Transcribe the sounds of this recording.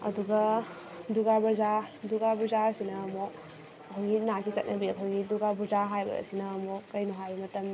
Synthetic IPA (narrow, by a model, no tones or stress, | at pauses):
ɐ̰duɡɐ | duɡabɐzaduɡabuzasinɐːmɔ | ɐkʰawɡinakʰit͡ʃɐt̚nʔɐbiɐkʰowɡiduɡabuzaɦajbɐ̰ɐ̰sinɐːmɔkɐjnuɦajmɐtɐm